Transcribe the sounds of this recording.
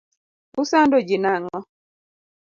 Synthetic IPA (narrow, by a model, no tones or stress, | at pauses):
ʊsandod͡ʒɪnaŋɔ